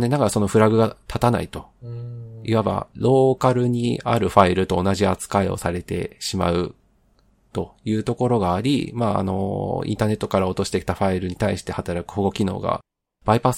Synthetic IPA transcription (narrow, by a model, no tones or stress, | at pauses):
ne̞nakaso̞no̞ɸɯ̟ɾaɡɯ̟ɡat̪ʰat̪ana̰it̪o̞ | iβaba̰ɾo̞ːkaɾɯ̟ɲ̟ia̰ɾɯ̟ɸaiɾɯ̟t̪o̞ːnaʑiat͡sɨ̥kae̞o̰saɾe̞t̪e̞̰ɕima̰ɯ̟ | t̪o̞jɯ̟ːt̪o̞ko̞ɾo̞ɡaːɾʲḭmaːa̰no̞̰ḭ̃nt̪aːne̞t̪ːo̞kaɾao̞t̪o̞ɕi̥t̪e̞kʲi̥t̪aɸaiɾɯ̟ɲ̟it̪aiɕi̥t̪e̞hat̪aɾakɯ̟hoɡo̞kʲino̞̰ːɡa̰ | b̥aipas